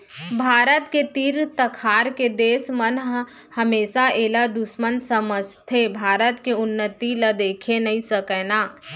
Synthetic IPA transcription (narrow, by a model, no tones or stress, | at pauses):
bʱaːɾət̪ket̪iːɾt̪əkʰaːɾked̪eːsmənɦ | hɐmeːʃaeːlad̪ʊʃmənsəməst̪ʰebʱaːɾət̪keʊnːət̪ilɐd̪eːkʰenɐɦĩsəkɛːnaː